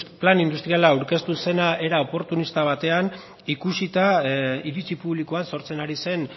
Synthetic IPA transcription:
planind̪ust̪ɾialaːuɾke̞st̪use̞naʔe̞ɾao̞po̞ɾt̪unist̪aβ̞at̪e̞an | ikusit̪aiɾit͡sipuβlikoanso̞ɾt͡se̞naɾise̞n

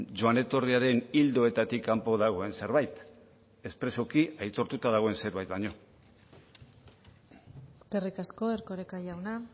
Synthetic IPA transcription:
d͡ʒoane̞t̪o̞riaɾe̞nild̪o̞e̞t̪at̪ikampo̞ðaɣ̞o̞e̞nse̞ɾβajt̪ | e̞spɾe̞so̞kiajt̪o̞ɾt̪ut̪aðaɣ̞o̞e̞nse̞ɾβajt̪baɲo̞ | eske̞rikasko̞e̞ɾko̞ɾekaʝawna

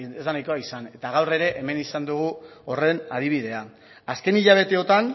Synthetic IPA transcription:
ezd̪anajko̞aisane̞t̪aɣawre̞ɾe̞ʔeme̞nisand̪uɣ̞uo̞re̞naðiβ̞iðe̞a | aske̞niʎaβ̞e̞t̪e̞o̞t̪an

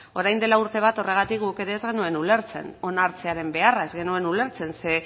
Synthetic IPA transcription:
o̞ɾajnd̪e̞lauɾt̪e̞β̞at̪o̞re̞ɣ̞at̪ik̚ɡuke̞ɾe̞ːzɣe̞nue̞nule̞ɾt͡se̞̰no̞naɾt͡se̞aɾe̞mbe̞arae̞zɣe̞nue̞nule̞ɾt͡se̞nse̞

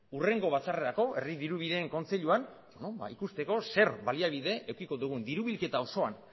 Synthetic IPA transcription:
ure̞ŋɡo̞β̞at͡sare̞ɾako̞ʔe̞riðiɾuβiðe̞ːŋko̞nt͡seʎuan | bonoba̰ikust̪e̞ko̞se̞ɾβaliaβ̞iðe̞ʔewkiko̞ðuɣ̞und̪iɾuβilke̞t̪ao̞so̞an

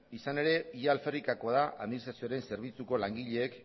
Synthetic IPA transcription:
isane̞ɾe̞ialferikakoaðaʔa̰ðminist̪ɾasioaɾe̞nse̞ɾβ̞it͡suko̞laŋɡiʎe̞ːk

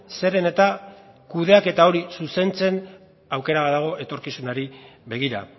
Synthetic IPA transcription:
se̞ɾe̞ne̞t̪a | kuðe̞ake̞t̪ao̞ɾisuse̞nt͡se̞n | awke̞ɾaβaðaɣ̞o̞ʔe̞t̪o̞ɾkisunaɾiβe̞ɣ̞iɾa̰

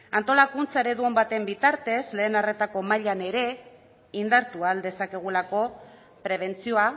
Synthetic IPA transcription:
ant̪o̞lakunt͡saeɾe̞ðuo̞mbat̪e̞mbit̪aɾt̪e̞zle̞ːnare̞t̪ako̞maʎane̞ɾe̞ | ind̪aɾt̪uald̪e̞sake̞ɣ̞ulako̞ | pɾe̞β̞e̞nt͡sio̞a

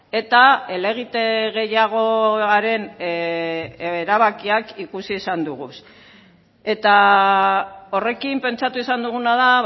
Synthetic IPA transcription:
e̞t̪ae̞le̞ɣ̞it̪eɣe̞jaɣ̞o̞aɾe̞n | eɾaβakiakikusisand̪uɣ̞us | e̞t̪a | o̞re̞kimpe̞nt͡sat̪uisand̪uɣ̞unað̞a

